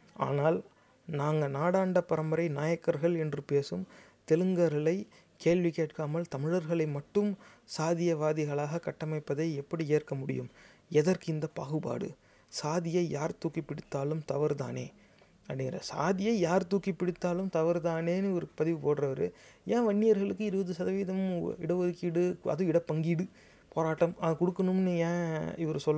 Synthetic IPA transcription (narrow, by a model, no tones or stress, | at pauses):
a̰ːnaːl | naːŋɡɐnaːɽaːɳɖɐpːɐɾɐmɐɾɐɪnaːjɐkːɐɾɣɐɭɛndrɯpeːsɯmt̪ɛlɯŋɡɐɾɐɭɐɪ | keːɭʋikeːʈkaːmɐlt̪ɐmɪɻɐɾɣɐɭɐɪmɐʈːɯmsaːðɪjɐʋaːðɪɣɐɭaːɣɐkɐʈːɐmɐɪpːɐðɐɪɛpːɐɽieːrkɐmʊɽɪ̰jɯ̰m | ɛðɐrkɯɪnd̪ɐpɐ̰ːɣɯba̰ːɽɯ̰ | saːðɪjɐɪjaːɾt̪uːkːipːɪɽɪt̪ːaːlɯmt̪ɐʋɐɾt̪a̰ːnḛː | ɐpɽɪŋɡɪɾɐ̰sa̰ːðɪjɐɪjaːɾt̪uːkːipːɪɽɪt̪ːaːlɯmt̪ɐʋɐɾt̪aːneːnɯɔɾɯpɐðɪʋɯpoːʈrɐʋɐɾɯjʔãːʋɐɳːɪjɐɾɣɐɭɯkːɯɪɾɯbɐðɯsɐðɐʋiːðɐm̰ɪɽɐʋɔɾɯkːiɽɯɐ̰ðɯ̃ɪɽɐpːɐŋɡiɽɯ | poːɾaːʈːɐmɐkɔɽɯkːɐnɯmnɯjãːɪʋɐɾɯsɔlː